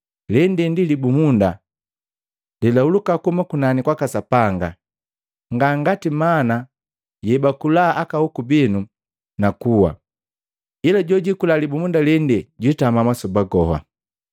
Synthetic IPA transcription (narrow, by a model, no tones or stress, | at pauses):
lɛndɛndilibumunda | lɛlaulukakumakunanikwakasapaŋɡa | ŋɡaŋɡatimana | jɛbakulaːʔakahukubinu | nakuwa̰ | ilaɟɔɟikulalibumundalɛndɛɟwitamamasɔbaɡɔɦa̰